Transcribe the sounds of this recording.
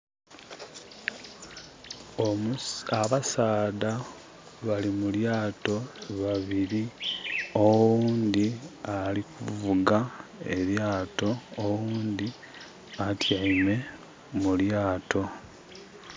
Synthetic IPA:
omaβasaːda | βalimuljaːto̞βaβiɾi | owuːnd̪ialikuvuɡae̞βjaːto̞ːwuːnd̪i | atjaime̞ | muljaːto̞

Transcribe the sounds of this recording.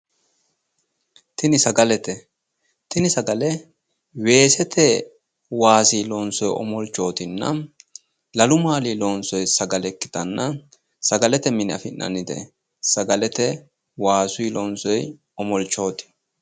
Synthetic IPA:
t̪ɪnɪsɐɡɐlɛt̪ɛ | t̪ɪnɪsɐɡɐlɛ | we̞ːsɛt̪ʰɛ | waːsilɔnsɔjɔ̰mɔlt͡ʃːo̞ːt̪ɪnːɐ̰ | lɐlʊmaːliːlɔnsɔjsɐɡɐlɛkːɪ̥t̪ɐnːɐ | sɐɡɐlɛt̪ɛmɪnɪɐ̰fɪnːʔɐ̰nɪd̪ɛ̰ | sɐɡɐlɛt̪ɛ | waːsʊilɔnsɔj | ɔmɔlt͡ʃːo̞ːt̪ɪ̥

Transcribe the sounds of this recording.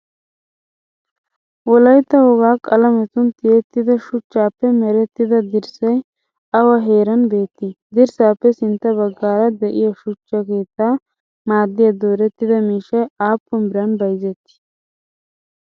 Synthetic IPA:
wɔlɐjt̪ːɐhɔɡaːkʼɐlɐmɛt̪ʊnt̪ɪjɛt̪ːɪd̪ɐʃʊt͡ʃːaːpːɛmɛɾɛt̪ːɪd̪ɐd̪ɪɾsɐj | ɐwɐɦeːɾɐnbe̞ːt̪ːɪd̪ɪɾsaːpːɛsɪnt̪ɐbɐɡːaːɾɐd̪ɛʔɪjɐʃʊt͡ʃːɐkeːt̪ːa | maːd̪ːɪjɐd̪oːɾɛt̪ːɪd̪ɐmiːʃɐjaːpːʊmbɪɾɐnbɐjzɛt̪ːɪ̥

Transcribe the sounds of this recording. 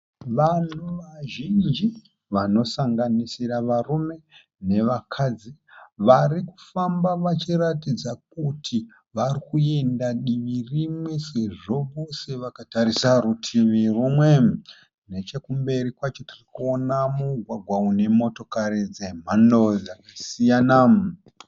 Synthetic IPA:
ʋan̤uʋaʒind͡ʒi | ʋano̞saŋɡanisiɾaʋarume̞ | ne̞ʋakʰad͡ziʋariku̥fambaʋat͡ʃiratid͡zak̚utʰi | ʋarikue̞ndaɗiʋirimwe̞se̞ʐo̞ʋo̞se̞ʋakatarisaɾutʰimirumwe̞ | ne̞t͡ʃe̞kumbe̞ɾikwat͡ʃo̞tirikuo̞namuɡʱwaɡʱwaune̞mo̞to̞kaɾid͡ze̞m̤ando̞d͡zakasijanam

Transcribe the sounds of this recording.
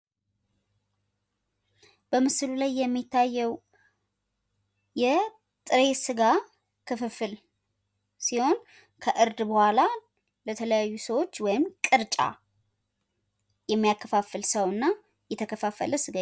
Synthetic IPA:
b̥əmɨsɨlulajːɛmːit̪ʰːajːɛw | jɛ | t̪ʼɨɾe̞sɨɡa | kʰɨfɨfɨl | siho̞n | kʰəʔɨɾd̪bəhʷala | lət̪ʰələjajːusəwo̞t͡ʃːwɔjɪmkʼɨɾt͡ʃʼa̰ | jɛmːijakʰːəfafəlsəwɨnːa | jɛt̪ʰəkʰəfafːə̰ləsɨɡa

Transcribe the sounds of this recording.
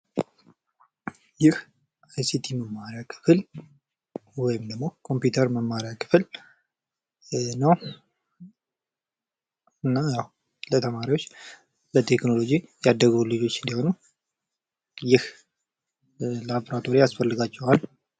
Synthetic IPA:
jɪh | sesit̪ʰiməmːaɾijakʰɨ̥fɨl | wɔjɪmd̪əɡmːo̞kʰo̞mpjut̪ʰəɾməmːaɾjakʰɨ̥fɨl | nəw | ɨnːajaw | lət̪ʰəmaɾiwo̞t͡ʃː | lət̪ʰekno̞lo̞d͡ʒijad̪ːəɡəwlɨd͡ʒo̞t͡ʃːɨnd̪iho̞nu | jɪh | laboɾat̪ʰo̞ɾijasfəlːɨɡat͡ʃːɛwal

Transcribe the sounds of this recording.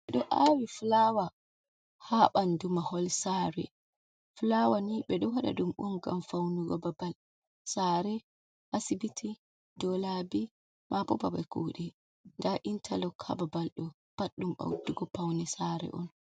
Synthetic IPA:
ɓɛɗɔʔawiflawa | haɓandumahɔlsaːɾɛ̰ | flawaniɓɛɗɔwaɗa̰ɗumɓɔnɡa̰mfawnuɡɔbabal | saɾɛ | ʔasibitʰi | dɔlabi | mʔabɔbabakuɗɛ | ŋɡaʔintʰalɔkʰa̰babalɗɔ | paɗːumɓa̰wduɡɔpawnɛsaɾɛ̰ʔɔn

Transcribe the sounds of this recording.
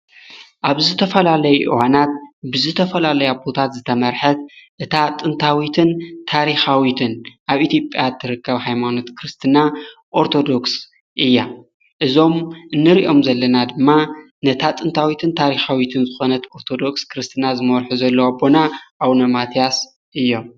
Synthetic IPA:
ʔaβzɨt̪ʰɐfɐlalɐjuʔɨwanat̪̚bɨzɨt̪ʰɐfɐlalɐjabo̞t̪ʰat̪zɨt̪ʰɐmɐɾħɐt̪̚ʔɨt̪ʰat̪ʼɨnt̪ʰawit̪ʰɨnt̪ʰaɾixawit̪ʰɨnʔaβʔit̪jo̞pʼjat̪ʰːɨɾɨkːɐβhajmano̞t̪kʰɾɨst̪ʰɨna | ʔo̞ɾt̪ʰo̞d̪o̞ks | ʔɨjːa | ʔɨzo̞mʔɨnːɨɾiʔo̞mzɐlːɐnad̪ɨmːa | nɐt̪ʰat̪ʼɨnt̪ʰawit̪ʰɨnt̪ʰaɾixawit̪ʰɨnzɨxo̞nɐt̪oɾt̪ʰo̞d̪o̞kskɾɨst̪ʰɨnazɨmɐɾħuzɐlːɐwabo̞naʔawnɐmat̪ijas | ʔɨjːo̞m

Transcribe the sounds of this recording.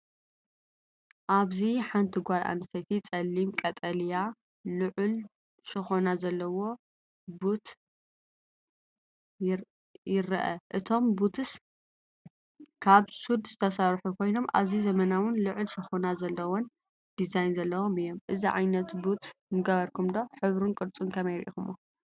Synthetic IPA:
ʔaβziħant̪ʰiɡʷalʔa̰nɨst̪ʰɐt̪ʰit͡sʼɐlːimkʼɐt̪ʼɐlija | lɨʕʊl | ʃɨxonazɐlːɐwo̞ | but̪ | jɪɾɐʔɐʔɨt̪ʰo̞mbut̪ʰɨs | kʰaβsud̪z̥ɨt̪ʰɐsaɾħukʰo̞jno̞mʔa̰βzizɐmɐnawʊnlɨʕʊlʃɨxonazɐlːɐwon | d̪̥izajnzɐlːɐwomɨjːo̞mʔɨziʕa̰jnɐt̪but̪mɨɡɐβɐɾkʰumd̪o̞ħɨβɾunkʼɨɾt͡sʼunkʰɐmɐjɾʔḭxumu

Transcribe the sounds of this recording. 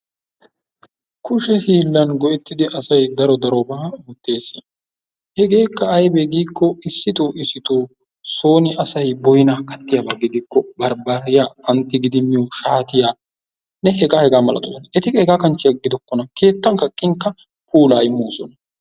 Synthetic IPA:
kʰʊʃɛhiːlːɐnɡɔʔɛt̪ːɪd̪ɪʔɐsɐjd̪ɐɾɔd̪ɐɾɔbaːʊt̪ːe̞ːsːɪjɐ | hɛɡe̞ːkːɐːjbeɡiːkːɔɪsːɪt̪oːʔɪsːɪt̪oː | so̞ːnɪɐsɐjbɔjnakɐt̪ːɪjabɐɡɪɡ̪iːkːɔbɐɾbaɾɪjaːɐnt̪ːɪɡɪd̪ɪmːɪjɔʃaːt̪ɪjaː | nɛɦɛɡaːhɛɡaːmɐlɐ̰t̪ɔɐnɐɛt̪ɪhɛɡaːkɐnt͡ʃːɪɐɡːɪd̪ɔkːɔnɐke̞ːt̪ːɐŋkɐkʼːɪŋkːɐ | puːlaːɪmːoːsɔnɐ

